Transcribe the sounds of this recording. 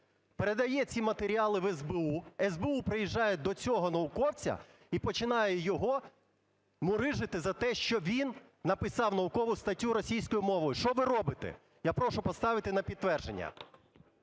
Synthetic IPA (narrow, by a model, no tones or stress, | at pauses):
peɾe̞d̪ɐjɛt͡sʲimɐt̪eɾʲiɑlˠɪʋɛzbeuɛzbeupɾɪjiʒːɑjɛd̪ɔt͡sʲɔɦɔnɐʊkɔwt͡sʲɐ̰ | ipɔt͡ʃɪnɑjɛjɔɦɔ | mʊɾɪʒɪt̪ɪzɐt̪ɛʃt͡ʃɔʋʲinː | ɐpɪsɑwnɐʊkɔʋʊst̪ɐtʲːuɾɔsʲijsʲkɔjʊmɔʋɔjʊʃt͡ʃɔʋɪɾɔbɪt̪ɛ̰ | japɾɔʃʊpɔst̪ɑʋɪt̪ɪnɐpʲid̪ʋɛrʒḛnʲːɐ̰